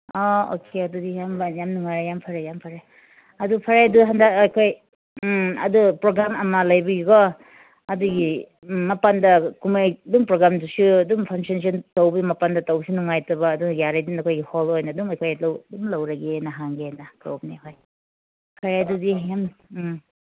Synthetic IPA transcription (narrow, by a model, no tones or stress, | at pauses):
ɔo̰kʰeɐdudijambanjamnuŋajɾajampʰaɾajampʰɐɾaj | ɐdupʰɐɾajduɦandakɐjkʰoj | ɐ̰dupɾoɡɾamɐmɐlɐjbijuɡɔ | ɐduɡi | mɐpandɐkumajduŋpɾoɡɾamdusuɐduŋpʰaŋsɔns̬ɔntowbimɐpandɐtɐwbisunuŋajtɐbɐːdujaɾajdinɐkʰojɡiholojnɐduŋɐjkʰojlawduŋlɐwɾɐɡenɐɦaŋɡenɐkɾop̚neɦoj | pʰaɾajdudijam